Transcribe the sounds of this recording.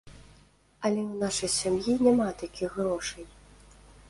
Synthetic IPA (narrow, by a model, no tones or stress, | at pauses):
ɐlʲɛwnaʂɐjsʲamjinʲɛmat̪akʲiɣɣɾɔʂɐj